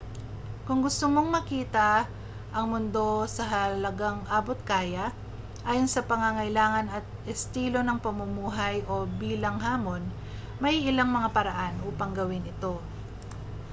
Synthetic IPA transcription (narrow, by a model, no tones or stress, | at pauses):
kʊŋɡʊst̪omo̞ŋmɐkiːt̪ɐ | ʔɐŋmʊnd̪o̞sɐɦɐlɐɡaŋʔaːbo̞t̪̚kaːjɐ | ʔaːjo̞nsɐpɐŋaŋɐjlaːŋɐnɐt̪̚ɛst̪iːlo̞nɐŋpɐmʊmuːɦɐjʔo̞biːlɐŋɦaːmo̞n | mɐjʔɪlaŋmɐŋapɐɾɐʔanʔuːpɐŋɡɐwɪnʔɪt̪o̞